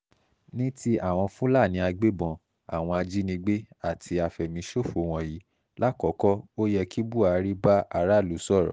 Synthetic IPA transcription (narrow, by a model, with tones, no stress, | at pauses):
nĩ˦ti˦ʔa˦˨w̃ɔ̃˧fũ˦la˦˨nĩ˨˧˦a˧ɡ͡be˦bɔ̃˧ | a̰˨w̃ɔ̃˧a˧d͡ʒi˦nĩ˧ɡ͡be˦a˦˨tʰi˧a˧fɛ˨mĩ˨˦ʃo˦˨fo˨˦w̃ɔ̃˧ji˨˦ | la˦kɔ˨˦kɔ˦o˦jɛ˧kʰi˦bu˦˨a˨˦ɾi˦ba˦ʔa˧˦ɾa˦˨lu˨˦sɔ˦˨ɾɔ̰˨